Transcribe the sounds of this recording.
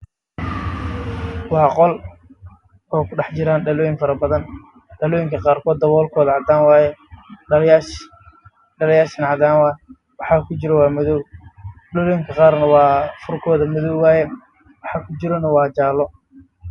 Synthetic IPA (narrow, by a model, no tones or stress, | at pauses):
wɑːqɔl | ɔːkʰʊɖɑħt͡ʃɪɾaːnɖɐlɔːjɪŋfɐɾɐbɐðɐn | ɖɐlɔːjɪŋkʰɐqɑːrkʰɔːd̪ːɐβɔːlkʰɔːðɐʕɑd̪aːnwɑːjɛ | ɖɐlɐjaːʃɐnʕɑd̪aːnwaːjɛ | wɑħɑːkʰʊt͡ʃɪɾɔwɑːmɐðɔw | ɖɐlɔːjɪŋkʰɐqɑːrnɐwɑːfʊrkʰɔːðɐmʊðɔwwɑːjɛ | wɑħɑːkʰʊt͡ʃɪɾɔnɐwɑːt͡ʃaːlːɔ